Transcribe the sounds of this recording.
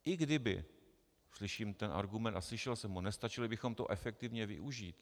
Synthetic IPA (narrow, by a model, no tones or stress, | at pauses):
ʔɪɡdɪbɪ̰ | slɪʃiːmt̪ɛnʔa̰ɾɡumɛnt̪aslɪʃɛlsɛmɦonɛst̪at͡ʃɪlɪbɪxo̞mt̪o̰ʔɛfɛk̚t̪ɪvɲɛvɪ̰ʔuʒiːt̪